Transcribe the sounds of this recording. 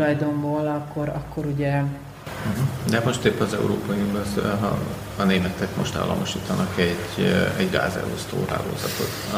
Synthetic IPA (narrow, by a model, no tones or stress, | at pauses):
lɒjd̪omboːlɒkːoɾɒkʰːoɾuɟɛ | ɦ̩d̪ɛmo̞ʃt̪eːpːɛnɒzɛuɾoːpɒjunubɛzː | neːmɛt̪ɛkmoʃt̪a̰ːlːʔɒ̰moʃiːt̪ɒnʔɒkɛɟɛɟɡa̰ːzɛ̰lo̰st̪o̰ːɾa̰ːɡo̰ːzɒt̪o̞t̪